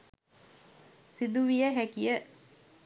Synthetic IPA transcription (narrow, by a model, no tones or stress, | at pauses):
sid̪uʋijəɦækijə